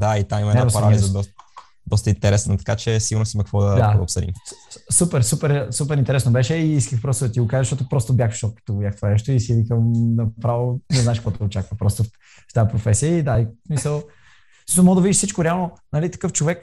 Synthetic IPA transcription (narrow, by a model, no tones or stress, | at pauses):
d̪ait̪amimɐɛnaspɐɾalizɐd̪ɔ | d̪ɔst̪əint̪ɛɾɛsnət̪ɐ̥kat͡ʃɛsiɡʊɾnost̪imɐkəkvɔd̪ɐd̪ao̰psəd̪ḭmsupɛɾsupɛɾsupɛɾint̪ɛɾɛsnobɛʃɛiiskəxpɾɔst̪ʊd̪ɐt̪iɡokazəʃt̪ɔt̪̬opɾɔst̪ʊbʲjaxʃt̪ɔt̪kə̥t̪oɡbjʲaxt̪vanɛʃt̪oisivikəmnɐpɾavonɛznaɛʃkoɔjt̪ɛɡot͡ʃakvəpɾɔst̪o | ft̪apɾofɛsiəid̪aismisəlˠ | misˠmɔɡod̪əvidiʃsit͡ʃkoɾɛalˠnonɐlit̪ɐ̥kɤft͡ʃovɛk